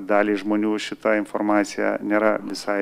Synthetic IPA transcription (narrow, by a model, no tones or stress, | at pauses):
d̪ɑːlʲiːʒmoːnʲuːʃʲɪt̪ɐɪnformɑːt̪sʲɪjɛ̰nʲeːɾɐʋʲɪsɐɪ